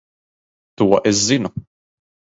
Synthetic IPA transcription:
t̪uwɐ̰ʔɪzːɪnu

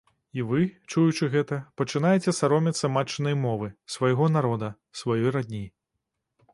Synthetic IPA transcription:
ivɨt͡ʂujut͡ʂɨɣɛt̪ɐpɐt͡ʂɨnajɛt͡sʲɛsaɾɔmʲɛt̪sɐmat͡ʂːɨnɐjmɔvɨsvajɣɔnaɾɔd̪ɐ | svajɔjɾad̪ʲnʲi

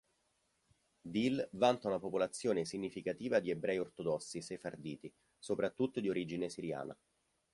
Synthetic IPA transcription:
d̪ilvant̪aunapopolat̪sːjoːnesiɲːifikat̪iːvad̪iebɾɛːjort̪od̪ɔsːisefard̪iːt̪i | sopɾat̪ːut̪ːod̪ioɾid͡ʒinesiɾja̰ːna̰

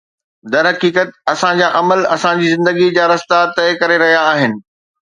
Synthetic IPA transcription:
d̪ɐɾɦɐkiːkət̪ɐsãd͡ʑaːʔɐməlɐsãd͡ʑiːzɪ̃nd̪əɡid͡ʑaːɾɐst̪at̪ɐɪkɐɾeɾɐɦijaːɦɪnɪ̆

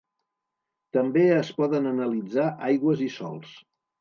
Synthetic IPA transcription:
t̪əmbeəspɔðənənəlid͡zaʔajɣwəzisɔ̰lˠs

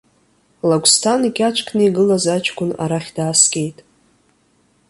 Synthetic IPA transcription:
laɡʷʰʼstʰanikʲat͡ʃʷʰʼkʰnɨiɡɨlazat͡ʃʰʼɡʷʼʊna̰ɾaχʲdaːskʲʼe̞jtʼ

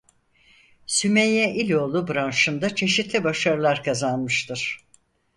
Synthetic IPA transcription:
symejɛʔilʲo̞ːlˠubɾanʃɯnd̪at͡ʃʰe̞ʃit̪lʲibaʃaɾɯlˠaɾkʰazanmɯʃt̪ʰɯɾ̥

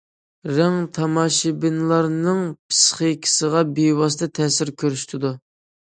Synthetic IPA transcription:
ɾæŋt̪ʰɑmɑʃɪbɪnlˠɑɾnɨŋpʰsχekʲʰi̥səʁɑbewɑsɨt̪ɛt̪ʰɛsɪɾkʲʰøɾyʃt̪ʰɪd̪u

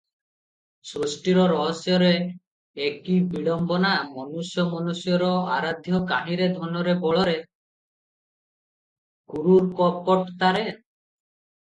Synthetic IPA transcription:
sɾosʈiɾɔɾɔɦɔsjɔɾeː | kibiɭɔmbɔnamɔnusjɔmɔnusjɔɾɔaɾad̪ʱjɔkaɦĩɾed̪ʱɔnɔɾebɔɭɔɾe | kuɾuɾkɔpɔʈt̪aɾe

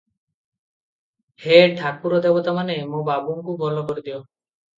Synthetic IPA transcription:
heʈʰak̚puɾɔd̪ebɔt̪amanemũbabuŋkubʱɔlɔkɔɾid̪iɔ

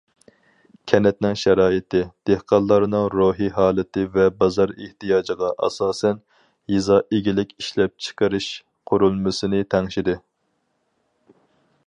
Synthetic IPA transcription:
kʲʰɛnɛt̪̚nɪŋʃɛɾɑːɪt̪ʰɪd̪̥ehqɑlˠːɑɾɨnɨŋɾoːɦiɦɑːlˠɪt̪ʰɪvɛbɑzɑɾeht̪ijɑːd͡ʒəʁɑʔɑ̰sɑːsɛn | jizɑʔeɡʲilɪkʲiʃlɛp̚t͡ʃʰə̥qəɾɪʃ | qʰʊɾulˠmɨsɨnɪt̪ʰɛŋʃid̪ɪ

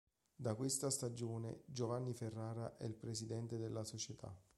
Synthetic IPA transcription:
d̪akwest̪ast̪ad͡ʒoːnḛd͡ʒovanːiferːaːɾaʔɛ̰ilpɾesid̪ɛnt̪ed̪elːasot͡ʃet̪ʰa̰

